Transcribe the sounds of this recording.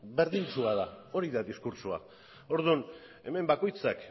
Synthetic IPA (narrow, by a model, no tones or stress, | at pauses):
be̞ɾðint͡suaðao̞ɾiðaðiskuɾsua̰ | o̞ɾðun | e̞me̞mbako̞jt͡sak